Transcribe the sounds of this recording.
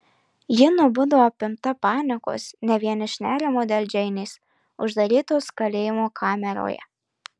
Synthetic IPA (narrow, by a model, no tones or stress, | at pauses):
jɪnʊbʊd̪ɐʋoːɐpʲɪmt̪ɐpɑːnʲɪko̰ːsnʲɛʋʲiɛnɪʃʲnʲæːɾʲɪmoːd̪ʲɛlʲd͡ʒʲɛɪnʲeːs | ʊʒd̪ɐɾʲiːt̪oːskɐlʲeːjɪmoːkʰɑːmʲɛɾo̰ːjɛ̰